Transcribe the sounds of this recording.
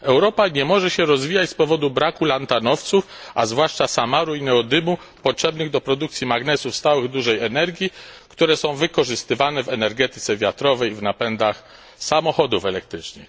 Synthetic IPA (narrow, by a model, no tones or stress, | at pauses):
ɛwɾɔpaɲɛmɔʐɛɕɛɾɔzvʲijat͡ɕspɔvɔd̪ubɾakulant̪anɔft̪sufʔazvwaʂt͡ʂasamaɾuinɛɔd̪ɘmu | pɔtʂɛbnɘɣd̪ɔpɾɔd̪ukt̪sʲjimaɡnɛsufst̪awɘɣd̪uʐɛjɛnɛɾɡʲjikt̪uɾɛsɔ̃w̃vɘkɔʐɘst̪ɘvanɛvɛnɛɾɡɛt̪ɘt̪sɛvʲjat̪ɾɔvɛjvnapɛnd̪ax | samɔxɔd̪ufɛlɛk̚t̪ɾɘt͡ʂnɘ̰x